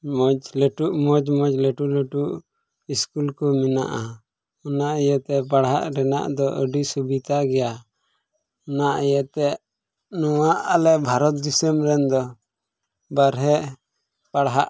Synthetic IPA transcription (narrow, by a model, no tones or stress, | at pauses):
mɔd͡ʒləʈuʔmɔd͡ʒmɔd͡ʒləʈuʔləʈuʔ | iskulkɔmina̰ʔa | ɔnaʔjət̪ɛpaɽɦa̰ʔɾɛna̰ʔd̪ɔʔəɖisubit̪aɡɛja | ɔnaʔijət̪ɛʔ | nɔwaʔalɛbʱaɾɔt̪̚d̪isəmɾɛnd̪ɔ | baɾɦɛʔ | paɽɦaʔ